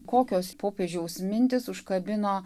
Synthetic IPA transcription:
koːkʲoːspoːpʲeːʒʲɛʊsʲmʲɪnʲt̪ʲɪsʊʃkɐbʲɪno

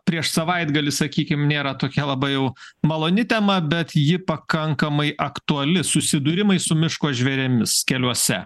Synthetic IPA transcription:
pʲɾʲiɛʃsɐʋɐɪd̪ɡɐlʲɪsɐkʲiːkʲɪmnʲeːɾɐt̪oːkʲɛlˠɐbɐɪjɛʊmɐlˠoːnʲɪt̪ʲɛmɐbʲɛt̪jɪpɐkɐŋkɐmɐɪʔɐkt̪uɐlʲɪsʊsʲɪd̪ʊɾʲɪmɐɪsʊmʲɪʃkoːʒʲʋʲɛɾʲɛmʲɪskʲɛlʲuɔsʲɛ

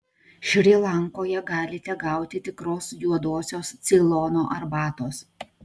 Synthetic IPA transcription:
ʃʲɾʲilˠɐŋkoːjɛɡɑːlʲɪt̪ʲɛɡɑˑʊt̪ʲɪt̪ʲɪkɾoːsjuɔd̪oːsʲoːst̪sʲɪlˠɔnoːʔɐɾbɑːt̪oːs

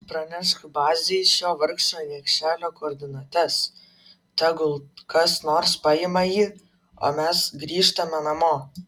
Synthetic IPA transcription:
pɾɐnʲæʃt̪bɑːzʲeɪʃoːʋɐɾkʃoːnʲiɛkʃʲæːlʲoːkoːɾʲd̪ʲɪnuɔt̪ʲɛs | t̪ʲæɡʊlˠkɐsnoːɾspɑjɪmɐjiː | o̰ːmʲɛsɡɾʲiːʃt̪ɐmʲɛnɐmoː

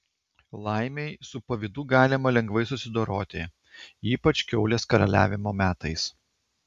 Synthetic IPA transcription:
lˠɑˑɪmʲɛɪsʊpɐʋʲɪd̪uːɡɑːlʲɪmɐlʲɛŋɡʋɐɪsʊsʲɪd̪oːɾoːt̪ʲɪ | iːpɐt͡ʃkʲɛʊlʲeːskɐɾɐ̰lʲæ̰ːʋʲɪmoːmʲæːt̪ɐɪs

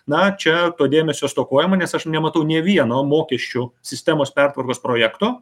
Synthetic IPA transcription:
nɐt͡ʃʲɛt̪oːd̪ʲeːmʲɛsʲoːɐst̪oːkoːjɛmɐnʲɛsɐʃnʲɛmɐt̪ɐʊnʲɛʋʲiɛnoːmoːkʲɛʃʲt͡ʃʲʊsʲɪsʲt̪ʲæmoːspʲɛrt̪ʋɐrkoːspɾoːjækt̪oː

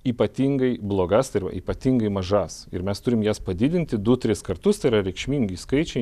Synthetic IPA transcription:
iːpɐt̪ʲiːŋɡɐɪblˠoːɡɐst̪ɐɪɾʋɐ̰ḭːpɐt̪ʲiːŋɡɐɪmɐʒɐsɪ̰ɾmʲɛst̪ʊɾʲɪmjæːspɐd̪ʲɪd̪ʲɪnʲt̪ʲɪd̪ʊt̪ʲɾʲɪskɐrt̪ʊst̪ɐɪɾɐɾʲɛɪkʃʲmʲiːŋʲɡʲiskɐɪt͡ʃʲɛɪ

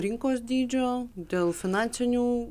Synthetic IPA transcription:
ɾʲɪŋkoːsd̪ʲiːd͡ʒʲoːd̪ʲeːlˠfʲɪnɑnʲt̪sʲɪnʲuː

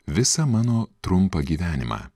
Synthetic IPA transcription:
ʋʲɪsɐmɑːnoːt̪ɾʊmpɐɡʲiːʋʲæːnʲɪ̰mɑ̰ː

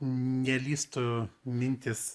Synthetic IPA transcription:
nʲɛlʲiːst̪ʊmʲɪnʲt̪ʲɪs

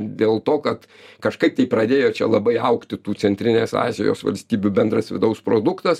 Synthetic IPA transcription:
d̪ʲeːlˠt̪oːkɐt̪ | kɐʃkɐɪp̚t̪ʲɛɪpɾɐd̪ʲeːjoːt͡ʃʲɛ̰lˠɐbɐɪɐʊkt̪ʲɪt̪uːt͡ssʲɛnʲt̪ʲɾʲɪnʲeːsɑ̰ːzʲɛ̰jo̰ːsʋɐ̰lʲsʲt̪ʲiːbʲubʲɛnd̪ɾɐsʋʲɪ̰d̪ɐʊspɾoːd̪ʊkt̪ɐs

